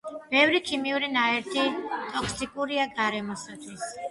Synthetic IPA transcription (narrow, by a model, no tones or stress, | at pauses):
b̥ɛvɾikʰimiuɾinaɛɾt̪ʰit̪ʼɔkʰsikʼuɾiaɡaɾɛmɔsat̪ʰwis